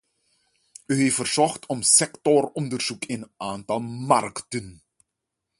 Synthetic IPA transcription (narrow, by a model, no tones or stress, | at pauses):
yɦeffərz̥ɔχtʰɔmsɛktɔrɔndərz̥ukɪnaːntɑlˠma̰rktən